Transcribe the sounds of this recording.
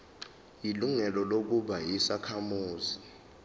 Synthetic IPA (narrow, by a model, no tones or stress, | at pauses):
jiluŋɛlɔlok̬uɓajisakʰamuːzi